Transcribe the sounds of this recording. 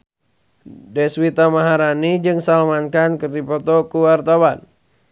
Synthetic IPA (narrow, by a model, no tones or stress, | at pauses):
dɛswit̪amaɦaɾanid͡ʒɨŋsalmankankɨrd̪ipɔt̪ɔkuwart̪awan